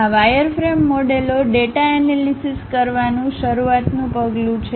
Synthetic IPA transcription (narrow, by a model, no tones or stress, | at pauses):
aʋajəɾfɾemːoɖeloɖeʈaɛnelisiskəɾʋanũʃəɾuat̪nũpəɡlũt͡ʃʰe